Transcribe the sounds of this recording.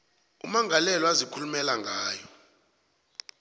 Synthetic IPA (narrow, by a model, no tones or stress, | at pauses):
ṵmaŋɡʱalɛlɔazikʰulumɛlaŋɡʱaːjɔ